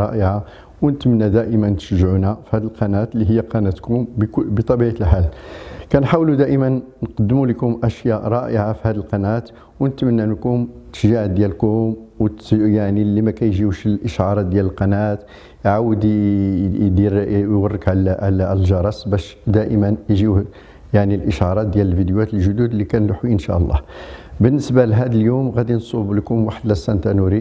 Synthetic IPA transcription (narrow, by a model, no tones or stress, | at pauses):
ɑʔəʕa | wnət̪mənːæd̪æʔəmənt̪ə̥ʃəʒʕunæfihæd̪əlqɑnæt̪liɦəjːæqɑnæt̪kʊmbbət̪ˤɑbiʕəlħalkænħawlud̪æʔəmənːqɑd̪ːmuləkʊmʔæʃjæɾˤɑʔəʕafihæd̪əlqɑnæt̪ | wnət̪mənːænkʊmt̪ə̥ʃʒaʕd̪jælkʊmwt̪jaʕnilːimækæjʒiwʃəlʔəʃʕɑɾˤɑd̪jæləlqɑnæt̪ | jʕawəd̪ | d̪iɾwərːəkʕlʕləlʒɑɾˤɑsbæʃd̪æʔəmənjʒiw | jaʕnilʔəʃʕɑɾˤɑt̪̚d̪jæləlvid̪juæt̪əlʒʊd̪ud̪lːikænlħwiʔənʃæ̰ʔəlˤːɑ̰hbənːəsbalɦæd̪əljumɣæd̪insˤubləkʊmwaħəd̪læsːænt̪ænuɾi